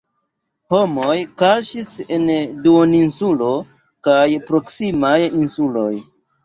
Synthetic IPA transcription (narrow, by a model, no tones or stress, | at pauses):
homojkaʃisenduoninsulo̞ | kajpɾo̞ksimajinsulo̞̰j